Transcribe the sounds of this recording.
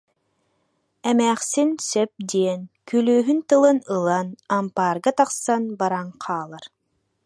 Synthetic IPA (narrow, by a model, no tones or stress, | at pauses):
ɛmæːχsinsœp̚d̪iɛnkylyːɦynt̪ɯlˠɯnɯlˠanampaːɾɡat̪aqsanbaɾaŋqʰaːlˠaɾ